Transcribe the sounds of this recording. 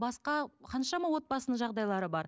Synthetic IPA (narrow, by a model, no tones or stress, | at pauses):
bɑsqɑqʰɑnʃɑmɑwo̞t̪̚bɑsənəɴʒɑʁd̪ɑjlˠɑɾəbɑɾ